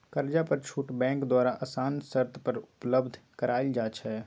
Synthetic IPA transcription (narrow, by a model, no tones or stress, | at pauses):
kəɾd͡ʒapəɾt͡ʃʰuːʈbɛ̃ːŋkd̪waːɾaʔəsaːnsəɾt̪ʰpəɾʊʊpləbd̪ʱkəɾaːild͡ʒaːt͡ʃʰɛː